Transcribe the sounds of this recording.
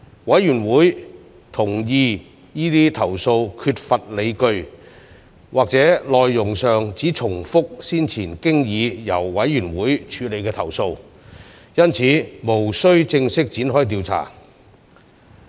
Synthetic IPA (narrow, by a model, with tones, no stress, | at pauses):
wɐ˨˥jɥyː˨˩nwuː˨˥j | t̪ʰʊ˨˩ŋjiː˧ | jiː˥t̪iː˥t̪ʰɐ˨˩wso˧wkʰyː˧t̚fɐ˨t̚le˨˧jkɵ˧ɥ | wʔaː˨k̚t͡sɛː˨˥lɔː˨jːʊ˨˩ŋsœː˨˩ŋt͡siː˨˥t͡sʰʊ˨˩ŋfʊ˥k̚siː˥nt͡sʰiː˨˩nkɪ˥ŋjiː˨˧jɐ̰˨˩wwɐ˨˥jjyː˨˩nwuː˨˥jt͡ʃʰyː˨˧le˨˧jkɛː˧t̪ʰɐ˨˩wso˧w | jɐ˥nt͡sʰiː˨˥mo˨˩wsɵ˥ɥt͡sɪ˧ŋsɪ˥k̚t͡siː˨˥nɦɔː˥jt̪̬iː˧wt͡sʰa̰ː˨˩